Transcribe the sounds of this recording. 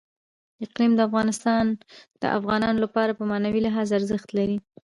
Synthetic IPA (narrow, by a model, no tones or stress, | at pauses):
ɪqlimd̪əafɣɑnɪst̪ɑnd̪̥ə̰ʔa̰fɣɑnɑnolapɑɾapəmɑnawilaɦɑzaɾzəxt̪laɾi